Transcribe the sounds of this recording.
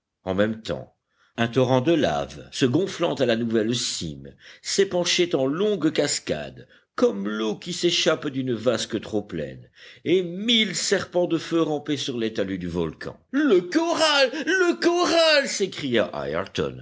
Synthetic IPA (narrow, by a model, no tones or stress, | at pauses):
ɑ̃mɛmt̪ɑ̰̃ | ɛ̃t̪ɔʁɑ̃d̪əla̰vsəɡɔ̃flɑ̃t̪alanuvɛlsḭmsepɑ̃ʃet̪ɑ̃lɔ̃ɡkaska̰d̪ | kɔmlokʲiseʃapd̪ynəvaskət̪χoplɛ̰nemilsɛʁpɑ̃d̪əføʁɑ̃pesyʁlet̪alyd̪yvɔlkʰɑ̰̃ləkɔʁalːəkɔʁalsekχijaʔa̰jɛ̰ʁt̪ɔ̰n